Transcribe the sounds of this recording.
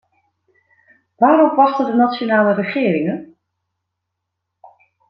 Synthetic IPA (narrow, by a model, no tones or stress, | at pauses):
ʋaːɾɔpʋɑχtədənatsonaːlərəχɪːɾɪŋən